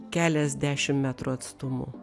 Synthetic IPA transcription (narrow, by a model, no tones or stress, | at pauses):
kʲæːlʲɛzʲd̪ʲæːʃʲɪmmʲæt̪ɾʊɐt̪st̪ʊmʊ̰